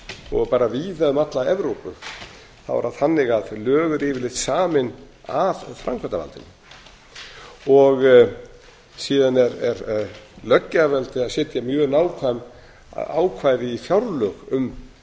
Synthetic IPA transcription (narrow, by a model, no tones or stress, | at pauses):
ɔɣpaːɾaviːðaðʏmat̪laɛvɾowpʏ | θa̰wva̰ɾaðθanːɪɣaðlœːɣʏɾɪvɪlɪht̪saːmɪn | avfɾa̰ŋkʰvant̪ava̰lt̪ɪ̰n | ɔɣ | siːðanɛɾɛɾlœcːavɛlt̪ɪaðsɛːt̪jamjœːɣnaːwkʰvajm̰ | a̰wkʰvaːjðɪifjawɾlœɣʏm